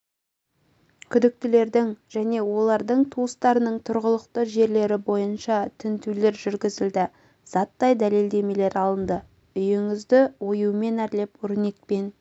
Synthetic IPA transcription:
kʲʰʏd̪ɪk̚t̪ɪle̞ɾd̪ɪŋʒ̥æne̞wo̞lˠɑɾd̪əɴt̪ʰuəst̪ɑɾənəɴt̪ʰʊɾʁəlˠəqt̪əʒe̞ɾle̞ɾɪbo̞jənʃɑt̪ʰɪnt̪ʰule̞ɾʒʏɾɡʲɪzɪld̪ɪ | z̥ɑt̪ːɑjd̪æle̞ld̪e̞me̞le̞ɾɑlˠənd̪ə | ʏjɪŋɪzd̪ɪwo̞juəme̞næɾle̞pwɵɾne̞t̪̚pe̞n

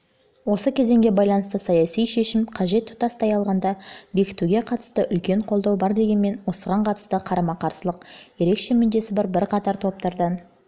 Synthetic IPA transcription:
wo̞səkʲʰe̞ze̞ŋɡʲe̞bɑjlˠɑnəst̪əsɑjɑsijʃe̞ʃɪmqʰɑʒe̞t̪ʰːʊ̥t̪ɑst̪ɑjɑlˠʁɑnd̪ɑbe̞kʲɪ̥t̪uɡʲe̞qʰɑt̪ə̥st̪əʔʏlkʲe̞ɴqʰolˠd̪ɑwbɑɾd̪e̞ɡʲe̞nme̞nwo̞səʁɑɴqʰɑt̪ə̥st̪əqʰɑɾɑmɑqʰɑɾsəlˠəqje̞ɾe̞kʃe̞mʏnd̪e̞sɪbɑɾbɪɾqʰɑt̪ɑɾt̪ʰo̞p̚t̪ɑɾd̪ɑn

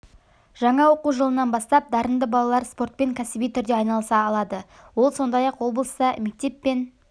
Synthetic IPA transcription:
ʒ̥ɑɴɑwo̞quʒəlˠənɑnbɑst̪ɑp̚d̪ɑɾənd̪əbɑlˠɑlˠɑɾspo̞rt̪̚pe̞ŋkʲʰæsɪbijt̪ʰʏɾd̪eɑjnɑlˠəsɑːlˠɑd̪ə | wo̞lˠso̞nd̪ɑjɑqwo̞blˠəst̪ɑme̞k̚t̪e̞pːe̞n

